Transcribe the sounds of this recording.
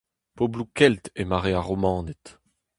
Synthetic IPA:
poblukɛlt̪emaʁeaʁɔmɑ̃ːnɛt̪

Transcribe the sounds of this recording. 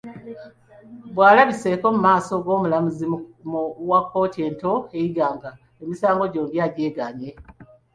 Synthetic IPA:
bwaːlaβise̞ko̞mumaːso̞ɡwo̞ːmulamuzi | wakːo̞ːtie̞ːnto̞e̞jiɡaːŋɡa | emisaːŋɡo̞ɟo̞ːmbjaːɟeːɡaɲe̞

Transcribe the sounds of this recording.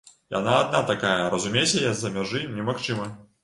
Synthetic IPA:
ja̰naːd̪nat̪akajɐɾɐzumʲesʲɐjazɐmʲaʐɨnʲɛmaxt͡ʂɨmɐ

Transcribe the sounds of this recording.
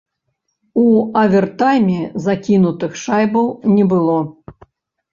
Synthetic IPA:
uɐvʲɛrt̪ajmʲɛzakʲinut̪ɨxʂajbɐwnʲɛbɨlˠɔ

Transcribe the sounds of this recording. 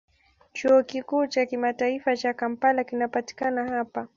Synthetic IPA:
t͡ʃuɔkikuːt͡ʃakimataifat͡ʃakam̩palakinapati̥kanahapa

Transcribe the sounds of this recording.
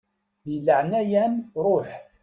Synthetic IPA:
ðilːəʕnæjænɾˤoħ

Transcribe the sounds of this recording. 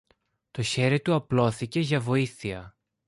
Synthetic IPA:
t̪o̞çe̞ɾit̪uɐplo̞θice̞ʝɐvo̞iθiɐ

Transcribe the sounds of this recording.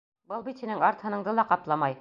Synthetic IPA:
bɤlˠbit̪hinɘŋɑɾt̪hɤ̆nɤ̆ɴd̪ɤlˠɑqɑplˠɑmɑj

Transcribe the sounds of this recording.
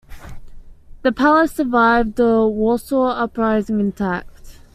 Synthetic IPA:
ðəpʰaləsəvaɪvd̪ðəwɔːˑsɔʌpɹaɪzɪ̃ŋɪ̃ntʰak̚t

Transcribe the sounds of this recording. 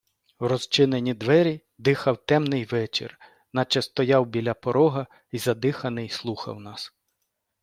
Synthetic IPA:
wrɔzt͡ʃɪnenʲid̪ʋɛɾʲi | d̪ɪxɐwt̪ɛmnɪjʋɛt͡ʃɪ̰r | nɐt͡ʃɛst̪ɔjɑwbʲilʲɐpɔɾɔɦɐ | izɐd̪ɪxɐnɪjslˠuxɐ̰wnɑs

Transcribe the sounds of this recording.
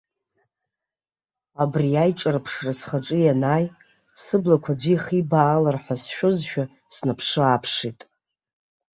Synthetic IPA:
abriajʈ͡ʂʼarpʰʂrasχaʈ͡ʂʼɨjanaj | sɨblakʷʰad͡zʷiχibaːlarħʷasʃʷᶣʊzʃᶣa | snapʰʂɨapʰʂitʼ

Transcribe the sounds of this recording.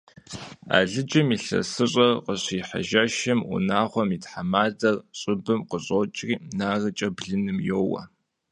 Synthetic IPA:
a̰ːɮɨd͡ʒɐmiːɬɐ̰sɨɕʼɐrqəɕiːħa̰ʒɐʃɐmṵnaːʁʷɔmitħamaːdɐrɕʼɪbɨmqəɕʼot͡ʃʼriːnaːrɐt͡ʃʼɐbɮɨnɨmjoːwɐ̰

